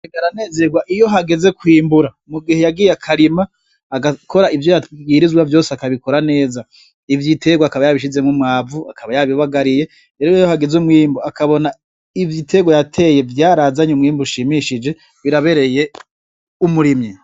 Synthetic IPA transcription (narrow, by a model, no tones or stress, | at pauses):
eɡaɾane̞ːze̞ɡwaʔijo̞ɦaɡe̞ze̞kwiːmbuɾa | muɡihe̞jaɡiːjeakʰaɾima | aɡakʰo̞ɾaivjojaɡiːɾizwavjo̞ːseakaβiko̞ɾane̞ːza | ivjitʰe̞ɡwakaβajaβiʃize̞mŋumŋaːvuakʰaβajaβiβaɡaɾije̞ | ɾeɾojjohaɡe̞zumŋwiːmbuakaβo̞na | ivjitʰe̞ɡwojatʰe̞ːje̞vjaːɾazaɲumŋiːmbuʃiːmiʃid͡ʒe̞ | βiɾaβe̞ɾe̞je̞ | umuɾimɲi